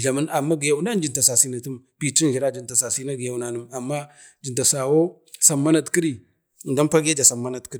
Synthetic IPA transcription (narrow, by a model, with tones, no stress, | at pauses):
ɮa˨ma˦na˨mːa˦ɡi˨ja˨wu˦na˦n˦d͡ʒi˨nta˨sa˨si˦na˨ti˦mpi˨t͡ʃi˦n˨i˨ɾa˦d͡ʒi˨nta˨sa˨si˦na˦ɡi˨ja˨wna˨nə˦ma˨mːa˦ | d͡ʒi˨nta˨sa˨wo˦ | sa˨mːa˦na˨tki˦ɾi˦˨ | nda˦npa˦ɡja˦d͡ʒa˨sa˨mːa˦na˨tki˦ɾi˦˨